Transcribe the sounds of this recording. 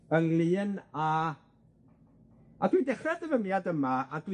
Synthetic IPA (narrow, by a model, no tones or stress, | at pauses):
ənlˠɨːna | adwidɛχrɛdəvəmjadəmaadw